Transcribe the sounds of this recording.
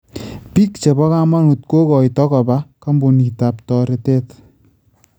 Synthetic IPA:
pi˦k̚t͡ʃe˨bɔ˦ka˦ma˦nu˨t̚ko˦kɔ˨jtɔ˦ka˨ba˦ka˦mbo˨ni˨ta˨p̚tɔ˨ɾe˨te˦t

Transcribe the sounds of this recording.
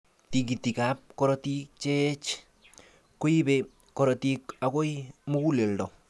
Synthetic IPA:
ti˨k̬i˨ti˨ka˦p̚kɔ˦ɾɔ˦ti˦t͡ʃe˦t͡ʃ | ko˦i˦be˨ | ko˦ɾɔ˨ti˦ka˨ko˦i˦mu˦ku˦le˨ldɔ˨

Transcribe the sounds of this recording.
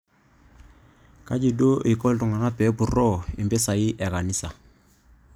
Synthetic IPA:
ka˦d͡ʒi˨do˦ʔi˨kɔ˦ltɔ˨ŋa˨na˦pɛ˨˦bu˨rɔ˦˨i˨mbɛ˦sa˨i˦ʔɛ˨ka˨ni˦sa˨

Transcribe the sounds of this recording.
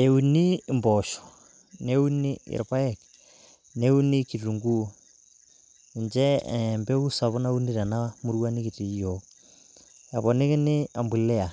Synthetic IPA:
e˨u˨ni˦mbɔ˨ʃɔ̥˨ | ne˦u˦ni˦ɪ̰˨ɾpa˦ɛ˨k̚ | ne˦u˦ni˦ki˨ɾu˨ŋɡu˦ | ɪ˨ɲd͡ʒɛ˦mbe˦u˦sa˨βʊ˦na˦u˦ni˦ɾa˨na˦mu˦ɾwa˦ni˦ki˨ti˨jɔ˨ | a˨βɔ˨nɪ˦kɪ˦nɪ˦a˨mbu˨lɛ˦a˨

